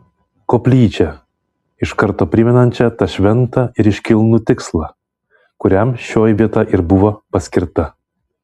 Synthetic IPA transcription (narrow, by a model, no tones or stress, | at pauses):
koːpʲlʲiːt͡ʃʲɛ | ɪʃkɐɾt̪oːpʲɾʲɪmʲɛnɐnʲt͡ʃʲɛt̪ɐʃʲʋʲɛnt̪ɐɪɾɪʃʲkʲɪlˠnut̪ʲɪkslˠɐ | kʊɾʲɛmʃʲoːjʋʲiɛt̪ɐʔɪɾbʊʋopɐsʲkʲɪɾt̪ɐ